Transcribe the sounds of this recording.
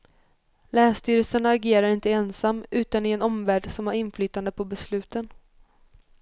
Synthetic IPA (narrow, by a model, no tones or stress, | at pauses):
læːst̪yːɾəlsənaːɡeːɾaɾɪnt̪əɛnsamːʉ̟ːt̪anɪɛnɔmvæːɖsɔmaɾɪnflyːt̪and̪əpʰɔbɛslʉ̟ːt̪ən